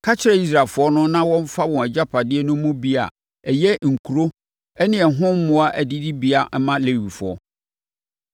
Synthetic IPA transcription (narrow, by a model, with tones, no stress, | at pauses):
kʰa˦t͡ɕʰɪ˦ɾɛ˦˨i˦s̬ɾa˨fʊ˨˦ɔ˦nʊ̃˦nã˦wɔ̃˦m̩˦fa˦wɔ̃˨æ˨d͡ʑa˦pʰa˨dɪ˦ɛ˦nʊ̃˦mʊ̃˦bi˦a̰˨ | ɛ˨jɛ˦ŋ̩˨kʰu˨ɾo˦ | ɛ˦nɪ̃˨ɛ˨ɦʊ̃˦m̩˦mʊ̃˦a˦ʔæ˨di˦di˦bi˦a˨˦mã˦le˨wi˨fʊ˨ɔ̰˦